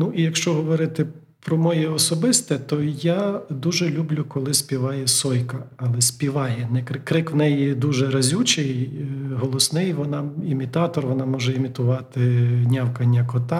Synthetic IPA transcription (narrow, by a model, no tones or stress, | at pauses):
nuʔijɐkʃt͡ʃɔɦɔʋɔɾɪt̪ɪ | pɾɔmɔjɛɔsɔbɪst̪ɛt̪ɔjad̪uʒɛlʲublʲʊkɔlˠɪsʲpʲiʋɑjɛsɔjkɐɐlˠɛsʲpʲiʋɑjɛnɛkɾɪkɾɪkʋnɛjid̪uʒɛɾɐzʲut͡ʃɪjɦɔlˠɔsnɪjʋɔnɑimʲit̪ɑt̪ɔrʋɔnɑmɔʒɛimʲit̪ʊʋɑt̪ɪnʲɑwkɐnʲːɐkɔt̪ɑ